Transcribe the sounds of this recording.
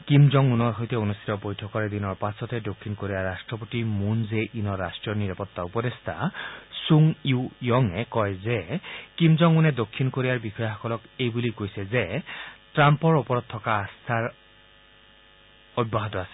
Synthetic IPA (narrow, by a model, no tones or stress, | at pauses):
kimzɔŋunɔɹɦojtɛonust̪ʰitɔbojtʰɔkɔɹɛd̪inɔɹpasɔtɛdokʰːinkoɹijaɹastɹɔpotimunzeʔinɔɹastɹijɔniɹapɔt̪ːaupɔdest̪ʰasuŋiwjɔŋɛkɔjzekimzɔŋunɛdokʰːinkoɹijaɹbixɔjaxɔkɔlɔkejbulikojsɛzetɹampɔɹopɔɹɔt̪̚tʰɔkaːst̪ʰaɹ | ɔbːaɦɔtɔasɛ̥